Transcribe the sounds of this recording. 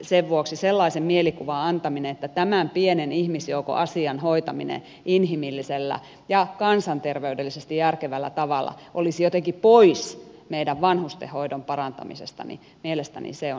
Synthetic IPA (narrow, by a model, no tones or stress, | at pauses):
seʋʋuoksiselːɑisemmielikuʋɑɑnt̪ɑmineet̪ːæt̪æmæmpienenihmisjouko̰ʔɑsiɑnhoit̪ɑmḭnḛ | ʔinhimilːiselːæ̰ | jɑkɑnsɑnt̪erʋeydelːisest̪ijærkeʋælːæ̰t̪ɑʋɑlˑːɑ̰ʔolisijot̪eŋkipoismeidæʋʋɑnhust̪ḛhoidompɑrɑnt̪ɑ̰mḭsḛst̪ɑ̰nḭ | mielest̪æ̰nḭseo